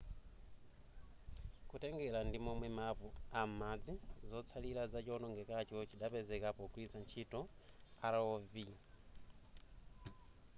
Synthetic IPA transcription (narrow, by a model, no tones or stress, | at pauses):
kutɛŋɡɛlandimɔmwɛmapuam̩mad͡zizɔt͡sʰalilazat͡ʃiɔnɔŋɡɛkat͡ʃɔt͡ʃiɗapɛzɛkapɔkuit͡sant͡ʃʰitɔ | aɾaɔvi